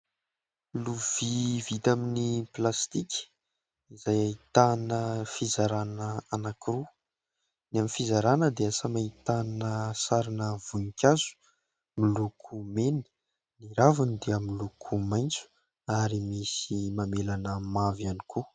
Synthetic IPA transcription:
luv̥ivit̪aminiplast̪ikʲi̥ | izajait̪anəfizaɾanəanakiɾu | naminfizaɾanəd̪easamait̪anəsaɾinəv̥unikʲazu̥ | milukʰumenə̥ | niɾavunid̪eamilukʰumajnt͡su̥ | aɾimisimamelanəmavaniku

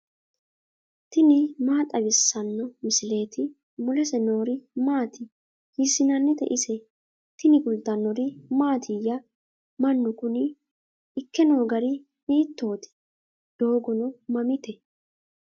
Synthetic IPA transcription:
t̪ɪnɪmaːt̪ʼɐbɪsːɐnːɔmɪsɪle̞ːt̪ɪ | mʊlɛsɛno̞ːɾɪmaːt̪ɪ | hɪsːɪnɐnːɛt̪ɛ̰ʔɪsɛ | t̪ɪnɪɡʊlt̪ɐnːɔɾɪmaːt̪ʰɪjɐ | mɐnːʊkʊnɪ | ɪkːɛno̞ːɡɐɾɪ | miːt̪ːo̞ːt̪ɪ̥ | d̪̥o̞ːɡɔnɔmɐmɪt̪ɛ

